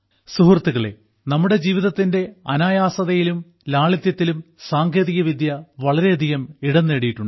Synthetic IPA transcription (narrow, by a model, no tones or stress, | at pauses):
suɦrɐt̪ːuɣɐɭe̞̰ | nɐmːuɽe̞d͡ʑiːʋiðɐt̪ːinde̞ɐ̰naːjaːsɐðɐjilum | laːɭit̪jɐt̪ːilumsaːŋkʰjeːðiɣɐʋid̪ʱjɐʋɐɭɐɾe̞ɐd̪ʱiɣɐmiɽɐnːeːɽijiʈːuɳɖɨ